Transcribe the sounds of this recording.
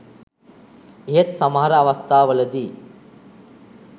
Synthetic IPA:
eɦet̪sɐmɐɦɐɾɐːʋɐst̪ʰaːʋɐlɐd̪i

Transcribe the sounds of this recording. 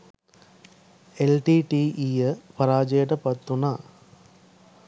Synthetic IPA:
elʈiʈiʔijɐpɐɾaːd͡ʒeːʈɐpɐt̪ːunaː

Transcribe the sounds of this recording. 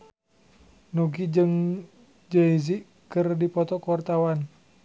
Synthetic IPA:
nuɡid͡ʒɨŋ | d͡ʒəiziʔ | kɨrdipɔt̪ɔkwart̪awan

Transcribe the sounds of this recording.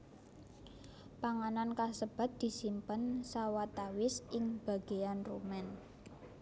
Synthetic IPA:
paŋanankasəb̥a̤t̪̚d̪̥i̤simpənsawat̪awɪsʔɪŋb̥a̤ɡ̥ejanrumɛn

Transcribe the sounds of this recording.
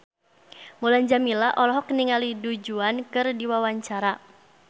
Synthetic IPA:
mulaɲd͡ʒamilaʔɔlɔɦɔkniŋalidud͡ʒuankɨrdiwawaɲt͡ʃaɾa

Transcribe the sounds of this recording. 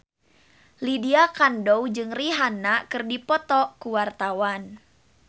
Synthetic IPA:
lidiakandowd͡ʒɨŋriɦanakɨrdipɔt̪ɔkuwart̪awan

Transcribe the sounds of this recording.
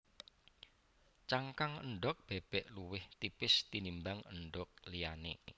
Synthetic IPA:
t͡ʃaŋkaŋə̰nɖɔk̚b̥eb̥ɛʔluwɪht̪ipɪst̪inimbaŋəɳɖɔk̚lijanḛ

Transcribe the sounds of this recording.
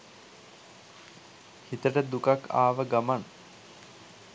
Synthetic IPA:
hit̪əʈəd̪ukakʰa̰ːʋəɡaman

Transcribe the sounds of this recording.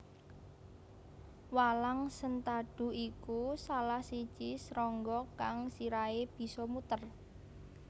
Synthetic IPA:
walaŋsənt̪aɖ̥ṳikusalahsi̥t͡ʃisɾɔŋɡɔkaŋsiɾaeb̥i̤sɔmut̪ər

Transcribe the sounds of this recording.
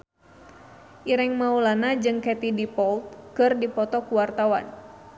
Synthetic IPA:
ʔiɾɛŋmaulanad͡ʒɨŋkɛt̪idipɔlt̪̚kɨrdipɔt̪ɔkuwart̪awa̰n

